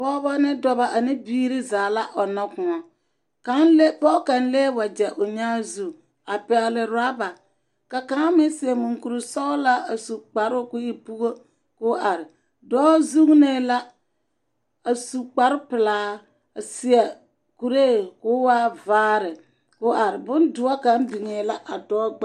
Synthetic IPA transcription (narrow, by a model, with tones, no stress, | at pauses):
pɔ˦ba˦nɪ˦dɔ˦ba˨ʔa˨nɪ˦biː˦ɾɪ˦zaː˨la˦ʔɔ˨nɔ˦kʊ̃˨ŋa˨ | ka˦nlpɔ˦ka˨n˦leː˦wa˨d͡ʒɛ˨ʔʊ˨ɲaː˦zu˦˨ | a˨pɛ˨ɣlɪ˨ɾa˦ba˨ | ka˨kã˦mɪ˦sɪ˨ɛ˨mu˨ŋku˨ɾu˨sɔ˦la˦a˨su˨k͡pa˨ɾʊ˦kʊ˦ɪ˨pu˦ɣo˦ | kʊ˦a˨ɾɪ˨ | dɔː˦zu˦ŋ˦ne˨la˦ | a˨su˨k͡pa˨ɾɪ˦pɪ˨laː˨˦ | a˨sɪ˨a˨ | ku˨ɾeː˦kʊ˨˦waː˦vaː˦ɾɪ˨ | kʊ˦a˨ɾɪ˨bʊ˦ndʊ˨˦a˦ka˨˦nbi˨ŋe˨˦la˦ʔa˨dɔː˦ɡ͡b